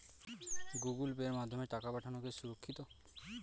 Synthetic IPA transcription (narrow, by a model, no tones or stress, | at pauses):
ɡuɡulbeɾmad̪ʱːɔmeʈakapaʈʰanɔkesuɾokʰːit̪ɔ